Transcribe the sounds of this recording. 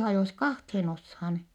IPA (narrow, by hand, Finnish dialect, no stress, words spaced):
hɑjoˑs kɑhthen oshɑn